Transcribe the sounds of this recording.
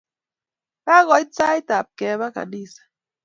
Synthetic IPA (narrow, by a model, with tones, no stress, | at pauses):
ka˦ɣɔ˨i˦t͡sa˦i˦ta˨p̚kɛ˨˦βa˦ka̰˨ni˦˨sḁ˨